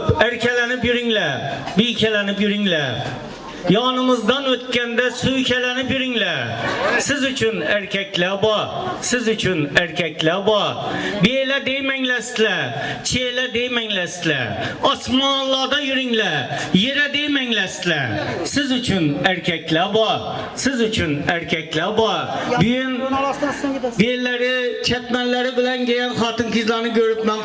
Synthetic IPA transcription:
pæɾkʲɛlænɪpjyɾɪŋlæbijkʲælænɪpjyɾɪŋlæ | jɑːnɨmɨzd̪ɑnot̪̚kʲænd̪æsʊjkʲælænɪpjyɾɪŋlæɾɾsɪzʊt͡ʃʰʊnæɾkʲʰɛkʲlæbɑɾsɪzʊt͡ʃʰʊnæɾkʲækʲlæbɑɾbelæd̪ejmæŋlæszlæt͡ʃʰelɛd̪ejmɛŋlɛst̪ɪlɛɑsmɑnllːˠɑːd̪ɑjyɾɪŋlɛjeɾɛd̪ejmɛŋlɛst̪ɪlɛsɪzyt͡ʃʰynæɾkʲʰɛkʲlɛbɑɾ | sɪzyt͡ʃʰynæɾkʲʰɛkʲlɛbɑɾbyjyn | belæɾɪt͡ʃʰɛt̪mɛnlːæɾɪbɪlɛnɡʲejɛnχɑːt̪ɨnkʲizlˠɑɾnɨɡʲʰøɾyp̪mɛn

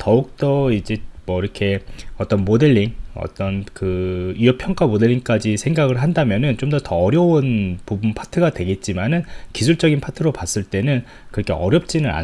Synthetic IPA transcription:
tʌuk̚t͈ʌid͡ʑe̞mwʌiɾʌkʰe̞ʌt͈ʌnmode̞ʎːiŋʌ̰t͈ʌnkɯijʌpʰjʌŋk͈amode̞ɭːiŋk͈ad͡ʑisʰe̞ŋɡaɡɯɭɦandamjʌnɯnt͡ɕomdʌtʌːɾjʌonpubunpʰḁtʰɯɡadwe̞ɡe̞t̚t͡ɕ͈imanɯnkisʰuɭt͡ɕ͈ʌɡinpʰatʰɯɾopas͈ɯɭt͈e̞nɯn | kɯɾʌkʰe̞ʌɾjʌp̚t͡ɕ͈inɯna̰

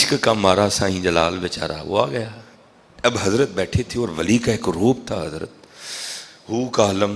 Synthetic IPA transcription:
ʃkkãːmaːɾasãːĩːd͡ʑalaːlʋɪt͡ɕa̰ːɾa̰ʊ̰aɠɐjaː | ɐbɦɐzɾət̪̚ɓɛːʈʰet̪ʰijoːɾʋɐliːkaɦɪkɾoːp̚t̪ʰaːɦɐzɾə̰t̪̚ | ɦuːkaːləm

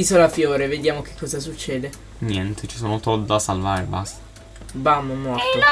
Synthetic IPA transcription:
isolafjoːɾeved̪jaːmokekʰːɔːzas̬ut͡ʃːɛːd̪e | njɛnt̪ʰet͡ʃi̥soːnot̪ɔd̪ːasːalvaːɾeba̰st̪ḁ | bamomɔrt̪e

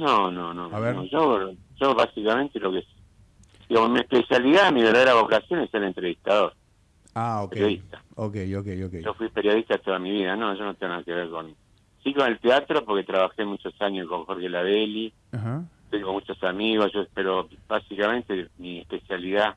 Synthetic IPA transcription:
nonõnõoʒo | ʒoβasikamẽ̞nt̪elo̞kes | d̪iɣamosmiehpesjaliðamiβeɾðaðeɾaβo̞kasjo̞neseɾent̪ɾeβiht̪aðo̞ɾ | aopeɾjoðist̪aokejokejokeʒ̥ofwipeɾjo̞ðiht̪at̪o̞ðamiβiðanõ̞ʒonot̪eŋɡonaðakeβ̞eɾkon | sikone̞lt̪eat̪ɾo̞poɾket̪ɾaβaxemut͡ʃosaɲoskoŋxoɾkelaðeli | hat̪ojkomut͡ʃo̞samiɣosʒopeɾo̞basikamẽ̞nt̪emiehpesjaliða

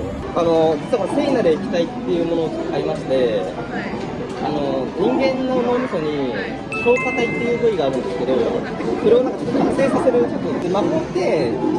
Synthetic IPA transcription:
ano̞d͡ʑi̥t͡sɨakoɾat̪eːɲinad̪e̞ikʲi̥t̪ait̪ːe̞jɯ̟mo̞noːkaimaɕi̥t̪e̞ | a̰no̞ɲ̟ĩŋɡẽ̞nːonomʲiso̞ɲ̟i | ɕo̞ːsat̪ait̪ːe̞jɯ̟ːɡoiɡaːɾɯ̟̃nd̪e̞sɨ̥ke̞d̪o̞ | iɾonːakt̪okkase̞ːsase̞ɾɯ̟t͡ɕot̪ːot̪ːemamot̪e

